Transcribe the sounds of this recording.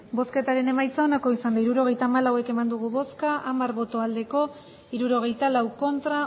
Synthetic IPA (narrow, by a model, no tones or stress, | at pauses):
bo̞ske̞t̪aɾe̞ne̞majt͡sao̞nako̞isand̪aiɾuɾo̞ɣ̞e̞jt̪aːmalawe̞ke̞mand̪uɣ̞uβo̞skaʔamaɾβo̞t̪o̞ald̪e̞ko̞ | iɾuɾo̞ɣ̞e̞jt̪alawko̞nt̪ɾa